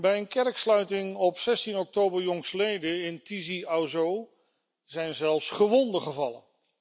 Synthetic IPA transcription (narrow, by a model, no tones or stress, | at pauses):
bɛjənkɛɹkslœɥtɪŋɔpsɛstinɔk̚towbəɹjɔŋsəlejdəɪntiziawzow | zɛjnzɛlˠfsχəʋɔndəχəvɑlə̰n